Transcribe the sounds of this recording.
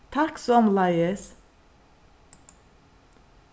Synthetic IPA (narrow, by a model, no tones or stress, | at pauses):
t̪ʰɑksɔmlɑɪəs